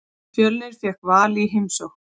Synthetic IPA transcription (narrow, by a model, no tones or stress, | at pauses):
fjœlnɪɾ̥fjɛhkvaːliɦejmsɔwx